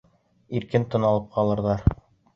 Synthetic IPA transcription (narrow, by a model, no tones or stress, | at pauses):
iɾkɘnt̪ɤ̆nɑlˠɤp̚qɑlˠɤ̆ɾðɑɾ